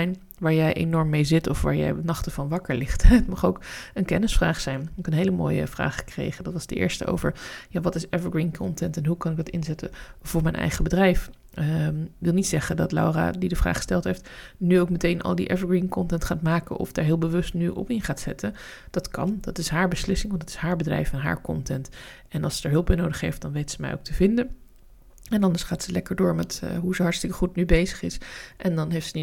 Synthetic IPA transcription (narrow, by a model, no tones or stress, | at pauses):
jn | ʋaːɹjɛjʔḛnɔɹmːejzɪtɔfʋa̰ːɹjɛ̰jnɑχtəvɑnʋɑkəɹlɪχtətmɑχowkənkɛnəsfraːχsɛjnkənɦejləmo̰ːjə̰v̥ra̰ːχə̥krḛjχəndɑtʋɑzdə̰ʔɪ̰ːɹstə̰o̰wvə̰ɹjaːʋɑtɪsɛvəɡɹinkʰɔntɛntɛnɦukɑnɪk̚dɑtɪnzɛtəv̥ʊːɹmɛjnʔɛ̰jχəbədrɛjf | kʋɪlˠnitsɛχəndɑtla̰wra̰ːdidəvra̰ːχə̥stɛlˠtɦejftnyowkmətejnʔɑ̰lˠdiʔɛvəɡɹinkɔntɛntχaːtmaːkə̰nʔɔ̰fdaːɹɦɪːlˠbəʋɵstnyʔɔ̰pɪnχaːtsɛtʰə | d̥ɑtkɑ̰ndɑtɪsɦaːɹbəslɪsɪŋʋɑntdɑ̥tɪ̥sɦaːɹbədrɛ̰jfɛnɦa̰ːɹkɔ̰ntɛnt | ɛnɑ̰lˠsədəɹɦɵlˠpbɛjnowdəχɦejft̚dɑnʋejtsəmɛ̰jo̰wk̚təvɪndən | ɛnɑndəɹsχaːtsəlɛkəɹdʊːɹmɛtɦuzəɦɑɹtstɪkəχutnybejzəχɪsʔɛndɑnɦejftsəni